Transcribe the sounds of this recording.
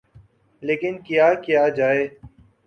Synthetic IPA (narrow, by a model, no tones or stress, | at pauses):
leːkɪnkjaːkjaːd͡ʒaːeː